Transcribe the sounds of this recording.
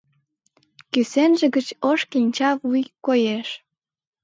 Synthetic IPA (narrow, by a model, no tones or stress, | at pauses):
kysenʒĕɡət͡ɕoʃkinʲt͡ɕɑvujkojeʃ